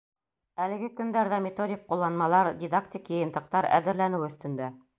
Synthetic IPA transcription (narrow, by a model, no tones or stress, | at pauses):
ælɘ̆ɡɘkɵ̆nd̪æɾðæmʲɪt̪odʲik̚qulˠːɑnmɑlˠɑɾdʲid̪akt̪ʲikjɤ̆jɤ̆nt̪ɤ̆qt̪ɑɾæ̰ðɘ̆ɾlænɘwɵ̆θt̪ɵ̆nd̪æ